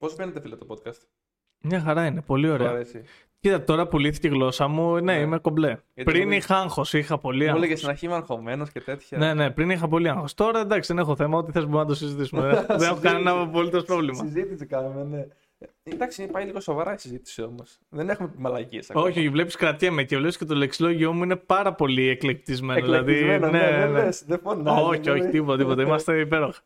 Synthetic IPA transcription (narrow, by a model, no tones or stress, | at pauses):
pozbenet̪efilɐt̪opot̪̚kɐst̪ | mɲɐxɐɾɐine̞po̞lio̞ɾeɐesi | cit̪ɐt̪et̪o̞ɾɐpuliθi̥ceɣlo̞sɐmune̞ime̞ko̞ble̞p̪ɾinixɐɐŋxo̞sixɐpo̞liɐolɐɐst̪inɐɾçimɐɾxo̞me̞noscet̪e̞t̪çɐne̞ne̞pɾinixɐp̬o̞liɐŋxo̞st̪oɾɐend̪ɐksiðe̞nexo̞θe̞mɐot̪̬iθezboɾunɐt̪osizit̪isumeðenexokɐnenɐpo̞lit̪o̞spɾo̞vlimɐizit̪isikɐnumene | nd̪ɐksipɐjliɣo̞sovɐɾɐisizit̪i̥siomos | ðenexumemɐlɐciesɐ̰o̞çioçivle̞pi̥skɾɐt̪jɐmecevleiscet̪oleksilo̞ʝio̞muinepɐɾɐpo̞lieklek̚t̪izme̞noðlɐðineenesðefonaoçio̞çit̪ipot̪ɐt̪ipo̞t̪ɐimɐst̪e̞ipe̞ɾo̞xɐ̥